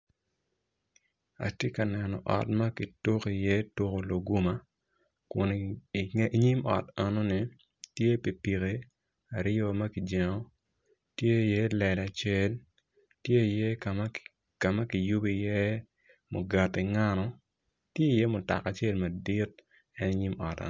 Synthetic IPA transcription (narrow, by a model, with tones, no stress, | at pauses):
a̰˨tje˦ka˨nɛ˨nɔ˨ʔɔ̰˨tmɐ˦ki˨to˦ki˨jɛ˦to˦ko˨lo˨ɡu˦ma˦ | kʊ˨n˨˦ | ɲi˦mɔ̰˨ta˨no˦ni˨ | tje˦pi˨pi˨ke˦ | a˨ɾjo˦mɐ˦ki˨d͡ʒɛ˨ŋɔ˦ | tje˦˨je˦lɛ˨da˨t͡ʃe˦l | tje˦i˨je˦ | ka˨mɐ˦ki˨ju˦bi˨jɛ˦ | mo˨ɡa˨ti˨ŋa˦nɔ˦ | tje˦i˨jɛ˦mʊ˨ta̰˨ka˨t͡ʃe˦lmɐ˨di˦t̚ | ɛ˦ni˦ɲi˦mɔ̰˨tɛ̰˨n˦